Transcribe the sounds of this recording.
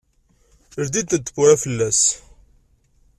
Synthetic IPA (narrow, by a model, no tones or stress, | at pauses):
əɾd̪id̪əd̪ːə̥kːuɾæfəlːæs